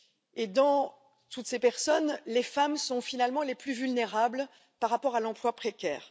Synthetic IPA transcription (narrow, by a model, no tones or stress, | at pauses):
ed̪ɑ̃ | t̪ut̪sepɛʁsɔnlefamsɔ̃finalmɑ̃leplyvylneʁabl | paʁːapɔʁalɑ̃plwapχekʲɛ̰ːʁ